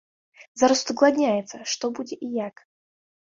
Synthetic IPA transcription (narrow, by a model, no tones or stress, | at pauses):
zaɾəst̪əɡlˠad̪ʲnʲajɛt̪səʂt̪ɔbud͡zʲɪʔijak